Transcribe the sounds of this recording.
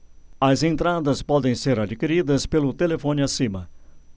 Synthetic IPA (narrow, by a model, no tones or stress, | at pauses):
ɐzẽnt̪ɾad̪ɐspɔd̪ẽj̃seɾad͡ʒikiɾid̪ɐspelʊt̪elefõnɪasĩmɐ